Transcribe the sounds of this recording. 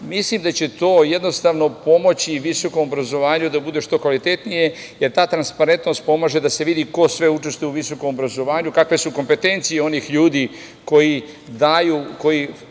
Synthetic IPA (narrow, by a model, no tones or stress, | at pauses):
mislimd̪at͡ɕe̞t̪o̞ːjed̪no̞st̪aːʋno̞po̞mo̞t͡ɕiʋiso̞ko̞mobɾazo̞ʋaːɲud̪abud̪e̞ʃt̪o̞kʋalit̪e̞t̪nije̞ | je̞ɾt̪aːt̪ɾanspaɾe̞nt̪no̞st̪̚po̞maːʒe̞d̪ase̞ʋid̪iko̞sʋe̞ut͡ʃe̞st̪ujuʋiso̞ko̞mobɾazo̞ʋaːɲukakʋe̞suko̞mpe̞t̪e̞nt̪sijeo̞niːxʎuːd̪iː | ko̞ji | d̪ajuːko̞ji